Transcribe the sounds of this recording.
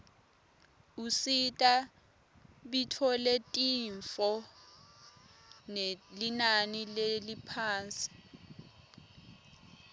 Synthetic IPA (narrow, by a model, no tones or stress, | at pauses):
usitʼa | ɓitʰɔletʼiɱfɔ | nelinanilelipʰaːnt͡sʼi̥